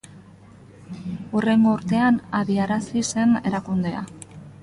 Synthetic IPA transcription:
ure̞ŋɡo̞uɾt̪e̞anaβiaɾasise̞ne̞ɾakund̪e̞a̰

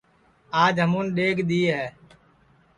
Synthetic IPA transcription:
aːd͡ʒɦəmuːnɗeːɡɗ̪iːɦɛː

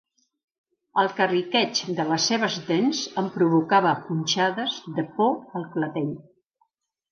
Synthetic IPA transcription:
əlˠkərikɛt͡ʃd̪ələsːeβ̞əzðenzəmpɾuβukaβəpunʲt͡ʃaðəzðəpɔəlˠklət̪eʎ

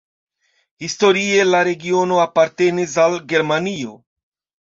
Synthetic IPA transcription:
histo̞ɾie̞laɾe̞ɡio̞no̞apaɾte̞nis̬alɡe̞ɾmanio̞

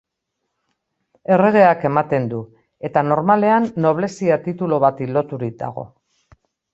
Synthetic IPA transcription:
e̞re̞ɣ̞e̞ake̞mat̪e̞nd̪u | e̞t̪ano̞ɾmale̞anːo̞β̞le̞siat̪it̪ulo̞β̞at̪ilo̞t̪uɾik̚d̪a̰ɣ̞o̞̰

